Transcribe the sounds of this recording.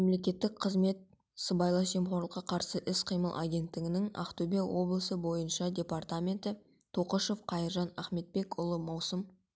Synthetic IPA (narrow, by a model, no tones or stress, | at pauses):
memle̞kʲe̞t̪ːɪk̚qʰəzme̞t̪̚ | səbɑjlˠɑʒemχoɾlˠəqːɑqʰɑɾsəʔɪsqʰijməlˠʔa̰ɡʲe̞nt̪ːɪɡʲɪnɪŋɑ̰qt̪ubʲelwo̞blˠəsəbo̞jənʃɑdʲe̞part̪amʲe̞nt̪ɪ | t̪ʰo̞qəʃo̞fqʰɑjəɾʒɑnaχme̞t̪̚pe̞kʊlˠəmɑwsəm